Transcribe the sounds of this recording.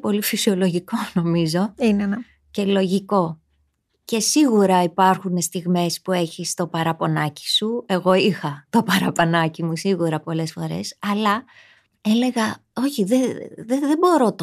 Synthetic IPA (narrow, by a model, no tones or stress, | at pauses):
po̞lifisio̞lo̞ʝiko̞no̞mizo̞in | ce̞lo̞ʝiko̞ | ce̞siɣuɾɐipɐɾxune̞st̪iɣme̞spue̞çist̪o̞pɐɾɐpo̞nɐci̥sue̞ɣoixɐt̪o̞pɐɾɐponɐcimusiɣuɾɐpo̞le̞sfo̞ɾe̞̰sɐlɐ | e̞le̞ɣɐ | o̞çiðeðeðebo̞ɾo̞t̪